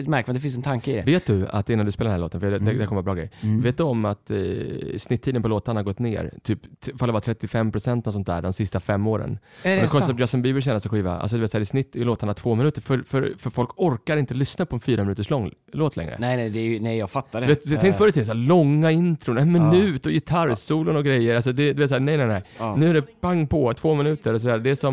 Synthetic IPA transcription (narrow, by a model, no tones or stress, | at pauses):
mæɾkvand̪ɛfɪns̬ɛnt̪ʰaŋkəɪd̪ɛ̰veːt̪̚d̪ɵa̰t̪ɪnːand̪ʉspeːladnæloːt̪ənfəɛd̪ɛd̪ækʰɔməvaːbɾɑːɡɾɛ̰jveːt̪d̪ɔmat̪ | snɪt̪ʰːiːd̪ənpʰɔloːt̪aɳahaɾɡɔt̪ːnḛːɾt̪ʰyːpfald̪ɛvat̪ʰɾɛt̪ːɪfɛmːpʰɾʊsɛnt̪nɔsɔnt̪̚d̪æ̰ːɖɔmsɪst̪afɛmːoːɾə̰n | ɛkʰɔspd͡ʒasɔnmbiːbɪʂɛnasɔɧiːva̰a̰ls̬ɔd̪ɵvet̪sæːɾɪsnɪt̪ʰːɪloːt̪aɳat̪ʰvoːmɪnʉːt̪əɾfœɾfœɾfœɾfɔlkɔɾkaɾɪnt̪əlʏsnapʰɔɛnfyːɾamɪnʉːt̪əʂlɔŋː | loːt̪ʰlɛ̰ŋɾə̰nɛnɛd̪ɛjnɛjjɑɡfat̪ːad̪eːt̪t̪ʰɛŋk̪fœɾət̪ʰilsæːlɔŋːaɪnt̪ɾʊnɛnmɪnʉ̟ːt̪ɔjɪt̪ʰaɾsuːlənɔɡɾɛjːəɾals̬ɔd̪ɛd̪ɵveːt̪sæːnɛjnɛɪnɛjnʉ̟ːæɖɛpʰaŋːpʰɔt̪ʰv̥oːmɪnʉ̟ːt̪əɾɔs̬ɔd̪æːd̪ɛsɔm